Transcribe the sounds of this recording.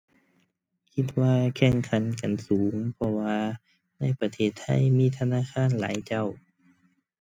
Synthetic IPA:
kʰi˧˥t̪̚waː˧kʰɛ˧˩ŋkʰa˨˦nka˨nsuː˨˩˦ŋpʰɔ˧waː˧ | na˧˥˩jpa˧t̪ʰeː˧˩t̪ʰːa̰˧˥˨jmiː˧˥˨t̪ʰa˧naː˧˥˨kʰaː˧˥˨nla̰ː˨˦jt͡ɕa˧˩w

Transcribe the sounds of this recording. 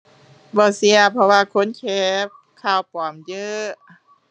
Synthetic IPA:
bɔː˧˩si˧ɐpʰɔ˧waː˧kʰo˧˥˨nkʰɛː˧˩p̚kʰaː˧˩wpɔː˨˩˦mjɤ˧˥

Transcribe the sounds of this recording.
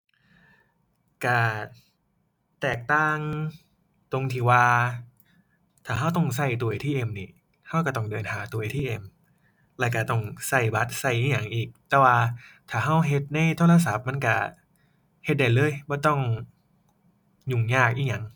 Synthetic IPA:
ka˧˩ | t̪ɛː˨˩k̚t̪aː˥˩ŋ | t̪o˧ŋt̪ʰiː˨˩waː˧ | t̪ʰaː˨˩ɦa˧˥˩wt̪ɔ˥˩ŋsa˧˩jt̪u˧jt̪ʰiː˥˩ʔe˧mni˧˩ | ha˥˩wka˧˩t̪ɔ˥˩ŋdɤː˧nhaː˩˦t̪u˧jt̪ʰiː˥˩ʔe˧m | lɛː˧˩ka˧˩t̪ɔ˥˩ŋsa˧˥˩jba˦˥t̪̚sa˧˩jʔiː˧˩ŋɲa˨˩˦ŋʔiː˨˩k̚t̪ɛː˧˩waː˧t̪ʰaː˨˩ɦa˧˥˩wɦe˧˦t̪̚na˧˥˩jt̪ʰoː˧˥˨la˧sa˨˦p̚ma˧˥˨nka˧˩ | he˧˦t̪̚da˨˩jlɤː˧˥˨jbɔː˧˩t̪ɔ˥˩ŋ | ɲu˨˩ŋjɲaː˥˩k̚ʔiː˧˥˩ɲa˨˦ŋ

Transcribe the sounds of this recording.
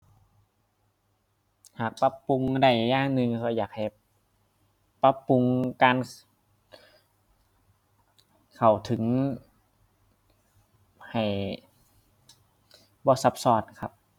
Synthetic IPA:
haː˨˩k̚pa˧˥pːu˧ŋda˧˩jːaː˧˩˨ŋnɯ˧ŋkʰɔ˧˩jaː˨˩k̚ha˨˩j | pa˧˥pːu˧ŋkaː˧n | kʰa˨˩wt̪ʰɯ˩˦ŋ | ha˨˩j | bɔː˧˦sa˧p̚sɔː˧˩t̪̚kʰa̰˧p̚

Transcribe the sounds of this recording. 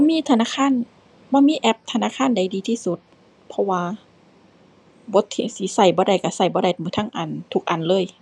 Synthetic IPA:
bɔ˧˨miː˧˥˨t̪ʰa˧naː˧˨˩kʰaː˧˥˨n | bɔː˧˨miː˧˥˨ʔɛ˧˥p̚t̪ʰa˧naː˧˨kʰaː˧˥˨nda˨˦jdiː˧t̪ʰiː˧˥˨su˧˦t̪̚ | pʰɔ˧waː˧ | bo˧˦t̪ʰːi˧si˧˦sa˧˩jbɔː˧˦ɾa˧˩jka˧˩sa˧˩jbɔː˧˦ɾa˧˩jmɯː˧˦t̪ʰa˧˥˨ŋʔa˨˩nt̪ʰu˧˦k̚ʔa˨˩˨nlɤː˧˥˨j

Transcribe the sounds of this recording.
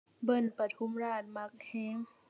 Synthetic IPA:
bɤ˧˩npa˧t̪ʰu˧˥˨mɾaː˧˩t̪̚ma˧˥k̚hɛː˧˥ŋ

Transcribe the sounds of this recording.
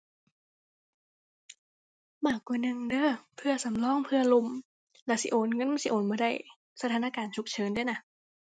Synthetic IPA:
maː˧˩kːwaː˧˩nɯ˧ŋdɤː˥˩pʰɯ˧˩ɐsa˨˦mlɔː˧˥˩ŋpʰɯ˧ɐlo˧m | lɛː˧˩wsi˧˦ʔoː˨˩nŋɤ˧˥˨ma˧˥˨si˧˦ʔoː˨˩nmaː˧˩ɾa˧˥˩j | sa˧t̪ʰaː˧˦na˧kaː˧nt͡ɕʰu˧˦˥k̚t͡ɕʰɤː˨˦ndɯ˥˩ə˨jna˧

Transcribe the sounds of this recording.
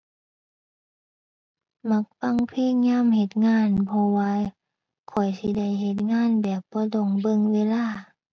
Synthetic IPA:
ma˧˦˥k̚fa˧˥˨ŋpʰeː˧˥˨ŋɲaː˧˥˨mhe˧˦t̪̚ŋaː˧˥˨npʰɔ˧waː˧ | kʰɔ˨˩jsi˧˦da˧˩˨jhe˧˦t̪̚ŋaː˧˥˨nbɛː˨˩p̚bɔː˧˦do˧˩ŋbɤ˧˨ŋweː˧˥˨laː˧˥˨

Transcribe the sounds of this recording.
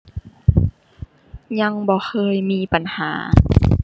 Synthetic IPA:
ɲa˧ŋbɔː˧˦xʰɤː˧˨jmiː˧˥˨pa˨nhaː˩˦

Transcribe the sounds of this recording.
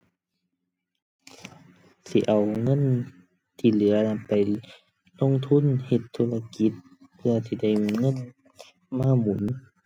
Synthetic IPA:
si˧˦ʔa˨˩wŋɤ˧˥˨n | t̪ʰiː˧˩lɯ˨˩˦ɐla˧pa˨j | lo˧˥˨ŋt̪ʰu˧˥˨nhe˧˩t̪ʰːuː˧˥˨la˧ki˨˧˦t̪̚ | pʰɯ˧ɐsiː˧˦da˧˩jŋɤ˧˥˨n | maː˧˥˨mu˨˦n

